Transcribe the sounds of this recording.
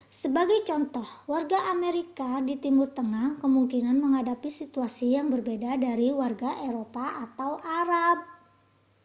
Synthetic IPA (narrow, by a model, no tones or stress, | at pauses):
səbaɡajt͡ʃɔnt̪ɔhwarɡaʔameɾikadit̪imurt̪əŋahkəmuŋkinanməŋɦadapisit̪uasijaŋbərbedadaɾiwarɡaʔeɾopaʔat̪awʔaɾab̚